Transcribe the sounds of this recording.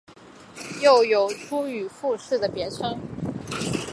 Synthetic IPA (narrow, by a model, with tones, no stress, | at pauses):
jo˥˩ʊjo˨˩ʊʈ͡ʂʰu˥y˨˩fu˥˧ʂɻ̩˥˩d̪ə˩pjɛ˧˥ʈ͡ʂʰɤ˥ŋ